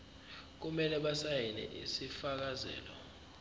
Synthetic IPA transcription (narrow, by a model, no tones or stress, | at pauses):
k̬umɛlɛɓasajɛnɛ̰ʔḭsifak̬azɛ̰ːlɔ